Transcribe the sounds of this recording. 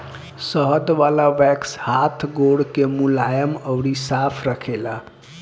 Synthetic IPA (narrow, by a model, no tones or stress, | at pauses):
səɦəd̪ʋalaʋɛkshat̪ʰɡoɽkemulajəməwɽisapʰɾəkʰela